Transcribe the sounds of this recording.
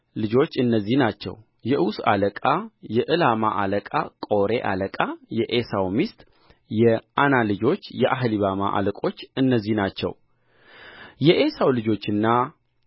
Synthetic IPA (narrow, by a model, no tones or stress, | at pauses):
lɨd͡ʒo̞t͡ʃːɨnːəzːihnat͡ʃːɛ̰w | jɛʔusa̰ləkʼajɛʔɨlama̰ʔaləkʼakʼo̞ɾe̞ʔa̰ləkʼajɛʔesawmist̪ʼ | jɛʔanalɨd͡ʒo̞t͡ʃːjɛʔaɦliβama̰ʔa̰ləkʼo̞t͡ʃːɨnːəzːihnat͡ʃːɛ̰w | jɛʔe̞sawlɨd͡ʒo̞t͡ʃːɨnːa